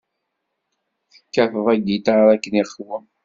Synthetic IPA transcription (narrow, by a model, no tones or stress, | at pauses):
θə̥kːæθəðˤæɡit̪ɾˤækːəniχwəm